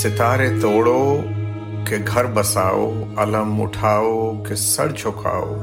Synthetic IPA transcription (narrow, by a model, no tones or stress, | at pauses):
sɪt̪aːɾet̪oːɽo | kʰeɡʱɐɾbɐsaːo̰ɐləmʊ̰ʈʰaːokʰesɐ̰ɽt͡ɕʰokʰa̰ːo̰